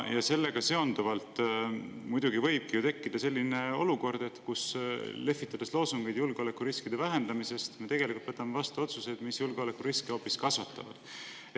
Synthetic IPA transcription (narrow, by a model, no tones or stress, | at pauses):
jɑse̞lːe̞ɡ̥ɑse̞o̞nd̪̥uvɑlt̪ˑ | mujd̪̥uɡivɤ̞jb̥̚kijut̪e̞kːid̪̥ɑse̞lʲːine̞o̞̰luko̞rd̪̥e̞t̪kusle̞fːit̪ːˑɑd̪̥eslo̞ːsuŋɡ̥ejd̪̥julɡ̥eo̞le̞kːˑuɾiskid̪̥e̞væɦe̞nd̪̥ɑmise̞st̪me̞t̪e̞ɡ̥e̞likult̪vɤt̪ːˑɑmevɑst̪uo̞t̪suse̞d̪̥misjulɡ̥eole̞kːˑuɾiskeo̞ːpːiskɑsvɑt̪ːˑɑ̰vɑ̰d̪̥